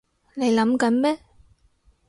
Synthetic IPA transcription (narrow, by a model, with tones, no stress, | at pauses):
ne˨˧jlɐ˨˥mkɐ˨˥nmɛː˥